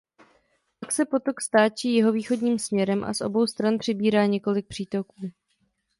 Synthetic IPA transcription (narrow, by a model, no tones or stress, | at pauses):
paksɛpo̞t̪o̞kst̪aːt͡ʃiːjɛɦo̞viːxo̞dɲiːmsmɲɛɾɛmʔa̰sʔo̞̰bo̞wst̪ɾanpr̝̥ɪbiːɾaːɲɛko̞lɪk̚pr̝̥iːt̪o̞kuː